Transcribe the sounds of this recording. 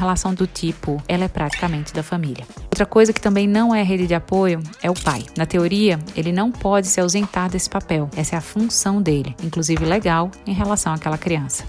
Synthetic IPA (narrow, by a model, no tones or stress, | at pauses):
ɦelasɐ̃w̃d̪ʊt͡ʃipʊɛlɛpɾat͡ʃi̥kamẽnt͡ʃɪd̪ɐfɐ̃miliɐowt̪ɾɐkojzɐkɪ̥t̪ɐ̃mbẽj̃nɐ̃w̃ɛɐɦed͡ʒɪd͡ʒɪapojʊɛʊpa̰jnɐt̪eoɾiɐelɪnɐ̃w̃pɔd͡ʒɪsɪawzẽnt̪aɾd̪esɪ̥papɛwɛsɐɛɐfũsɐ̃w̃d̪elɪĩkluzivɪleɡawẽj̃ɦelasɐ̃w̃akɛlɐkɾiɐ̃sɐ̥